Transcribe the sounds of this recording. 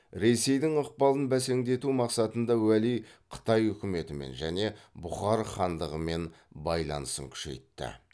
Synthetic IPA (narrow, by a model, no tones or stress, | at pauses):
ɾe̞se̞jd̪ɪŋʊq̚pɑlˠənbæse̞ŋd̪e̞t̪umɑqsɑt̪ənd̪ɑwælijqʰə̥t̪ɑjʏkʲɪme̞t̪ɪme̞̰nʒæne̞bʊχɑɾχɑnd̪əʁəme̞n | bɑjlˠɑ̰nəsə̰ŋkʲʰʏ̥ʃe̞̰jt̪ːɪ̰